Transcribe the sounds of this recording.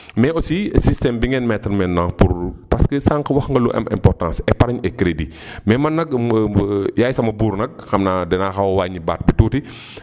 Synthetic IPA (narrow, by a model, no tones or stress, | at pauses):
mɛɔsisistɛmbiŋɡɛnmɛtɾmɛnːaŋpuɾpɐskəsaːŋkɐwɐxŋɡɐluʔɛ̰mʔɛ̰mpɔrtãnsɛpɐɾɐɲɛkːɾedi | mɛmɐnːɐk̚ | jaːjsɐmɐbuːɾnɐk̚xɐmnaːdɛnaːxɐwwaːɲibaːt̚bituːti